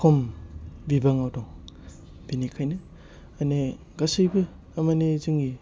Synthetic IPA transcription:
kʰombibaŋawdɔŋ | b̥inikʰajnɯ | ane | ɡasɯjbɯ | ɐmanezɯŋɡi

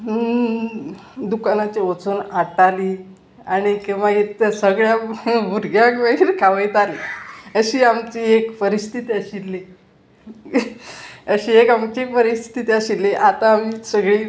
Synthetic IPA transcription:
d̪ukanat͡ɕeʋət͡suːnaʈaliː | aɽ̃ikiʋaɡit̪asəɡɭjabʱuɾɡjakbaɡiːɾkʰaʋəjt̪aliəɕiːamt͡ɕiːekpəɾist̪ʰit̪iəɕilːe | əɕiːekamt͡ɕepəɾist̪ʰi̥t̪ʰit̪iəɕilːeʔat̪aːm̤iːsəɡɭiː

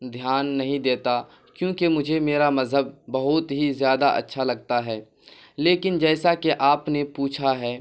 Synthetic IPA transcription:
d̪ʱjaːnːɐɦĩd̪eːt̪a | kjõːkemʊd͡ʒʱemeːɾamɐzɦəbːɐɦʊt̪ɦizjaːd̪aʔɐ̰tːʃʰalɐɡt̪aɦɛː | leːkɪnd͡ʒɛːsakeʔaːpnepuːt͡ʃʰaɦɛː

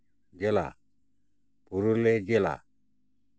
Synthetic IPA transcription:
d͡ʒela̰ | puɾuled͡ʒela̰

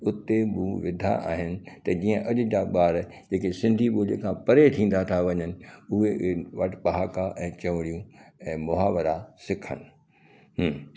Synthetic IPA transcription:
ʊt̪eɓuːʋɪd̪ʱa̰ʔa̰ːɦɪnɪ̆t̪ɐd͡ʑiːə̃ʔɐʄʊ̆d͡ʑaɓaːɾ | d͡ʑeːkesɪ̃nd̪ʱiɓuːlekʰãːpɐɾet̪ʰĩːn̆d̪at̪ʰaʋɐɲənɪ̆ʊɦeʋɐʈpɐɦaːkaʔɛ̃ːt͡ɕɐʋɽijũɛ̃ːmʊɦaːʋəɾasɪkʰə̰nɪ̆ | ɦː

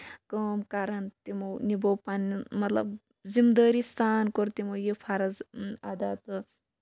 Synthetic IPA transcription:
kɐːmkaɾɐnt̪imownibowpanmɐt̪lɐ̰b | zimd̪əːɾist̪ʰaːnkoɾt̪imowjipʰaɾɐzad̪aːt̪ɨ

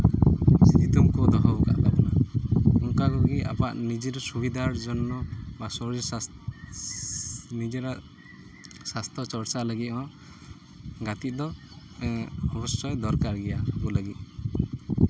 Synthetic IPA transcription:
sit̪ʰit̪umkud̪ɔɦɔbka̰ʔd̪apɔnaɔŋkakuɡia̰paʔnid͡ʒeɾɔsubid̪aɾd͡ʒɔnːɔbasɔɔ | nid͡ʒeɾa | sast̪ʰɔt͡ʃɔɾt͡ʃaləɡit̪̚ɦɔ̃ | ɡat̪it̪̚ˀd̪ɔ | ɔbɔsɔjd̪ɔɾkaɾɡɛjakuləɡit̪̚ˀ

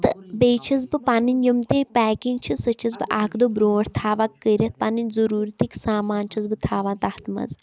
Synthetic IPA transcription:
t̪ɨbeːt͡ʃʰɐzbɨpaːninjɐmt̪eːpɛːkinɡt͡ʃʰisɐt͡ʃʰɐzbɨʔaːkʰd̪obɾoːɾt̪ʰaːʋaːkːəɾʲɐt̪̚paːninʲzɐɾuːɾt̪iksaːmaːnt͡ʃʰɐzbɨt̪ʰaːʋãːt̪aht̪mɐ̰z

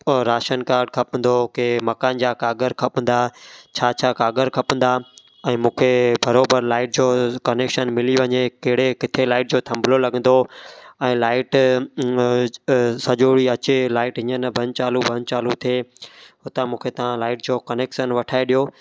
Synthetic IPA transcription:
ɾaːʃənkaːɾɖ̚kʰɐpə̃n̆d̪okemɐkaːnd͡ʑaːkaːɡəɾkʰɐpə̃n̆d̪at͡ɕʰaːt͡ɕʰaːkaːɡəɾkʰɐpə̃n̆d̪aː | ɛ̃ːmũːkʰebʱɐɾoːbəɾlaːɪʈ̚d͡ʑoːkɐneːkʃənmɪliʋɐɲekɐɦɪɽekɪt̪ʰelaːɪʈ̚d͡ʑoːt̪ʰɐ̃mbʱlolɐɠə̃nd̪oɛ̃ːlaːɪʈ | sɐʄoːɽiɐt͡ɕelaːɪʈɦɪ̃ɲənəbʱɐ̃ɲt͡ɕaːlubʱɐɲt͡ɕaːlut̪ʰieːɦʊt̪amũːkʰet̪ɐʋ̤ãlaːɪʈ̚d͡ʑoːkɐneːkʃənʋɐʈʰaːeɗijoː

